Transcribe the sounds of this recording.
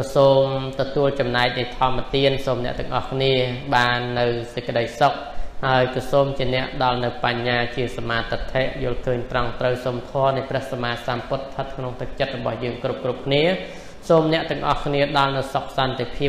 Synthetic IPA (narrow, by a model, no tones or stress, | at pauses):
kɑsoːmt̪ɑt̪uəlt͡ɕɑmnaɛk̚nɨt̪ʰɔəmːət̪iənsoːmnɛ̆əʔt̪ɛ̆əŋʔɑ̰hkʰniəɓaːnːɨwsec̚kə̆ɗəjsok̚haəjkɑːsoːmt͡ɕiənɛ̆əʔɗɑlnɨwpaɲːaːt͡ɕiəsamaːt̪ot̪ʰeʔjʊ̆əlkʰəːɲt̪rɑŋt̪rəwsoːmt̪ʰɔənɨjprɛ̆əhsamaːsaːmpʊt̪̚t̪ʰət̪̚kʰnoŋt̪ɨk̚t͡ɕət̪̚rɔɓɑhjəːŋkrup̚krup̚kʰniə | soːmnɛ̆əʔt̪ɛ̆əŋʔɑ̰hkʰniəɗɑlnɨwsok̚sɑnt̪ʰepʰiəp̚